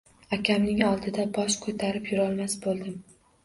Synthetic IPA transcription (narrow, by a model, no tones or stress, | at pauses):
akʲʰamnɪŋɒlˠd̪ɪd̪abɒʃkʰot̪ʰaɾɪpjʊɾɒlˠmasbolˠd̪ɪm